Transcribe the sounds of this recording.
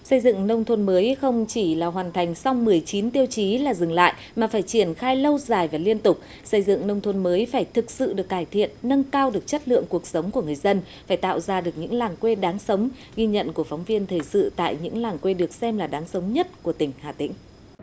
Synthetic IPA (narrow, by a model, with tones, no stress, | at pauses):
sə˧jzɨ̰˧˨ŋnə˧wŋ͡mt̪ʰo˧nməː˨˦jxə˧wŋ͡mt͡ɕi˧˩laː˨˩ɦwaː˨˩nt̪ʰa˨˩jŋ̟sa˧wŋ͡mmɨ˨˩əjt͡ɕi˨˦nt̪i˧əwt͡ɕi˨˦laː˨˩zɨ˨˩ŋla̰ː˧˨j | maː˨˩faː˧˩jt͡ɕi˧˩ənxaː˧jlə˧wzaː˨˩jvaː˨˩li˧ənt̪ʊ˨˩k͡p̚ | sə˧jzɨ̰˧˨ŋnə˧wŋ͡mt̪ʰo˧nməː˨˦jfaː˧˩jt̪ʰɨ˨˩k̚sɨ̰˧˨ɗɨ˨˩ək̚ːaː˧˩jt̪ʰḭ˧˨ənːə˧nkaː˧wɗɨ˨˩ək̚t͡ɕə˦˥t̚lɨ̰˧˨əŋku˨˩ək̚sə˨˦wŋ͡mku˧˩əŋɨ˨˩əjzə˧nfaː˧˩jt̪a̰ː˧˨wzaː˧ɗɨ˨˩ək̚ɲɨ̰˧˥ŋlaː˨˩ŋkwe˧ɗaː˨˦ŋsə˨˦wŋ͡m | ɣi˧ɲə̰˧˨nku˧˩əfɔ˨˦wŋ͡mvi˧ənt̪ʰəː˨˩jsɨ̰˧˨t̪a̰ː˧˨jɲɨ̰˧˥ŋlaː˨˩ŋkwe˧ɗɨ˨˩ək̚sɛ˧mlaː˨˩ɗaː˨˦ŋsə˨˦wŋ͡mɲə˦˥t̚ku˧˩ət̪ï˧˩ŋ̟haː˨˩t̪ḭ˧˥ŋ̟